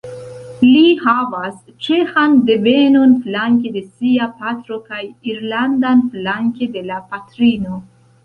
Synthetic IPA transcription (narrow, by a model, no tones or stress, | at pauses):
lihavas | t͡ʃe̞xande̞ve̞no̞nflaŋk̬e̞de̞siapatɾo̞kajiɾlandanflaŋke̞de̞lapatɾino̞